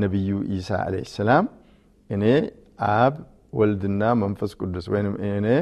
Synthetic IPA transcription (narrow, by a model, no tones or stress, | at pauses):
nəβɨjːuʔisa̰ʔa̰lḛjhəsːɐlam | ʔɨne̞ | ʔaβ | wɔld̪ɨnːamənfəskʼud̪ːuswɔjnɨmɨne